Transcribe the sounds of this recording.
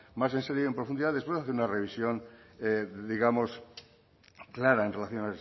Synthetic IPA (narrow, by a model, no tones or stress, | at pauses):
mas̬enseɾjoempɾofund̪iðaðespweaθeɾunare̞β̞isjo̞ŋeðiɣamo̞s | klaɾaenre̞laθjo̞nae